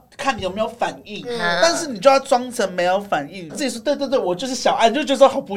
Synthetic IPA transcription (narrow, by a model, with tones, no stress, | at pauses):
kʰa˥˩ni˨jo˨˩me˧˥jo˧˥ʊfa˨˩ni˥˩ŋt̪a˥˧nʂɻ̩˥˩ni˨˩t͡ɕjʊa˥˩t͡swɑ˥ŋt͡sʰə˧˥nme˧˥ɪjo˧˥ʊfa˨˩ni˥˩ŋt͡s̩˥˩t͡ɕi˨˩swɔ˥we˥˧t̪̬t̪̬ɔ˨˩t͡ɕjo˥˧ʊʂɻ̩˥˩ɕjɑ˨˩ʊa˥˧t͡ɕo˥˧t͡ɕ̩̪˥˧˥xɑ˨˩pu˧